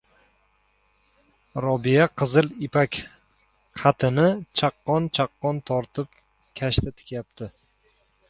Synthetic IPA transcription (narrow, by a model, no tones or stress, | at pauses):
ɾɒbijaqʰɨzɪlɪpakʲ | qʰɑt̪ʰɪnɪt͡ʃʰaqːɒnt͡ʃʰaqːɒnt̪ʰɒɾt̪ʰɪp | kʲʰaʃt̪ʰat̪ʰɪ̥kʲjap̚t̪ʰɪ